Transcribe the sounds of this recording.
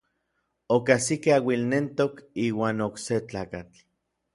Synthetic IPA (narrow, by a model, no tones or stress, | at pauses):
okasikeawilnent̪okiːwaːnokset͡ɬaːkat͡ɬ